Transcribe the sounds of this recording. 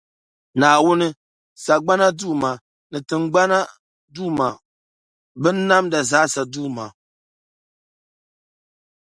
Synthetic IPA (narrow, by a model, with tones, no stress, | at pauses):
naː˨wʊ˦nɨ˦ | sa˨ɡ͡ba˦na˦duː˦˨ma˨ | nɨ˨tɨ˨ŋɡ͡ba˦na˦ | duː˦˨ma˨ | bɨ˦n˦na˦mda˨zaː˨˦sa˨duː˦˨ma˨